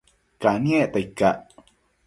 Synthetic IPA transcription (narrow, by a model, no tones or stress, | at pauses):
kanieʔt̪aikːaʔ